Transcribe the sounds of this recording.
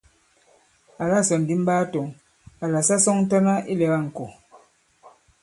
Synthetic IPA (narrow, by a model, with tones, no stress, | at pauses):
a˨la˦˨sɔ˨n˨di˦m˦baː˦to˨ŋ | a˨la˨sa˦sɔ˦ŋn̩˦tɔ˦na˦i˦lɛ˨ɣa˦˨ŋ̩˨ko˨